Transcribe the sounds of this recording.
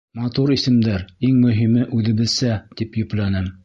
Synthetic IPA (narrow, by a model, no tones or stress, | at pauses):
mɑt̪uɾisɘ̆md̪æɾiŋmɵ̆ɦimɘʔʉðɘ̆bɘ̆ðsæt̪ipjɵ̆plænɘm